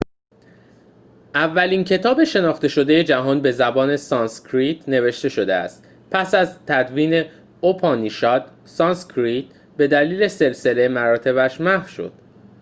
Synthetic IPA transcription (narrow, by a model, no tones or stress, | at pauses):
ʔævːæliːncʰe̞t̪ʰɒːbe̞ʃe̞nɒːχt̪e̞ʃo̞d̪e̞je̞d͡ʒæɦɒːnbe̞zæbɒːne̞sɒnskʰɾit̪ʰne̞ve̞ʃt̪e̞ʃo̞d̪eæ̰st̪ | pʰæsæzt̪ʰæd̪viːne̞ | opʰɒːniʃɒːd̪̥ | sɒnskʰɾit̪̚ | be̞d̪æliːle̞se̞lse̞le̞mæɾɒːt̪ʰe̞βæʃmæfʃo̞̰d̪̥